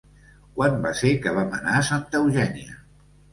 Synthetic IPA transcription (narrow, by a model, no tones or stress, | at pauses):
kwanbaseɾkəβ̞amənasant̪əwʒɛniə̰